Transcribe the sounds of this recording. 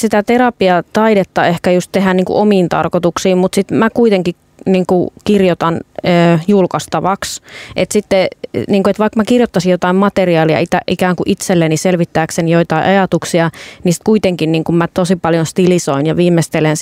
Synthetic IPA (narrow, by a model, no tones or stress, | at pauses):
sit̪æt̪erɑpiɑt̪ɑidet̪ːɑehkæjust̪t̪eɦænniːŋkṵʔomiːnt̪ɑ̰rkot̪uksiːmmut̪sit̪mækuit̪eŋkik | niːŋkukirjot̪ɑnːjulkɑst̪ɑʋɑksʔet̪sit̪ːeniːŋkuet̪ʋɑˑikmækirjot̪ːɑsijot̪ɑimmɑt̪eriɑːliɑ̰it̪æʔikæːŋkuʔit̪selːeniselʋit̪ːæːksenijoit̪ɑiʔɑjɑt̪uksiɑnisit̪kuit̪eŋkinniːŋkummæt̪osipɑljonst̪ilisoinjɑʋiːmːest̪elens